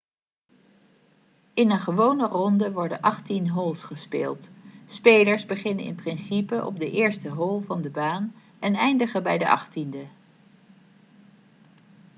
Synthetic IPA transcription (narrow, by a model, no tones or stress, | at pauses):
ɪnənχəʋownərɔndəʋɔɹdənʔɑχtinɦɔlˠsχəspḛːlˠtspejləɹzbəχɪnənɪ̰nprɪnsipəʔɔ̰b̚dəʔɪːɹstəɦɔlˠvɑndəbaːn | ɛnɛjndəχəbɛjdəʔɑ̰χtində